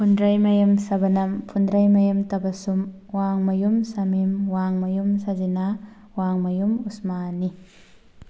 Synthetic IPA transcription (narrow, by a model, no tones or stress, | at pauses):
pʰundɾajmɐjemsɐbɐnɐmpʰundɾajmɐjemtɐbɐsum | waŋmɐjumsɐmimwaŋmɐjumsɐzina | waŋmɐjumusmanːi